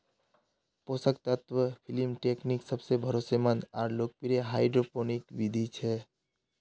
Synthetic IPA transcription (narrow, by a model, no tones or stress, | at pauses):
posəkt̪ət̪ʋəpʰilimʈekniksəbsebʱəɾosemənaːɾlok̚piɾeɦaɪɖɾoponikʋid̪ʱit͡ʃʰɛ